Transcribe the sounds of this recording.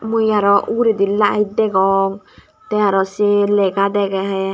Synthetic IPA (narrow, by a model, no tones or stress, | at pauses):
mujaɾɔʔuɾid̪ilaʔa̰id̪ɛɡɔŋ | t̪ɛaɾɔsilɛɡad̪ɛɡɛɦɛ